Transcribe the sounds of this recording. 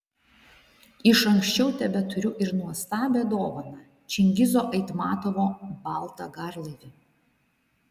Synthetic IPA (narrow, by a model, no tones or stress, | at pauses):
ɪʃɐŋksʲt͡ʃʲɛʊt̪ʲɛbʲɛt̪ʊɾʲʊʔɪɾnuɔst̪ɑːbʲeːd̪oːʋɐnɐ | t͡ʃʲɪŋʲɡʲɪzoːʔɐɪt̪mɑːt̪oʋoːbɑlˠˑt̪ɐɡɑɾlˠɐɪʋʲɪ